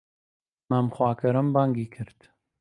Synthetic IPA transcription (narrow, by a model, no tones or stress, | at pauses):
mamxwɑːkʰɐɾɐmbaːŋɡiːkʰɨɾt̪